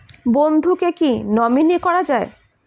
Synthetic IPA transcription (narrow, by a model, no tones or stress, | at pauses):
bond̪ʱukekinɔminikɔɾad͡ʑae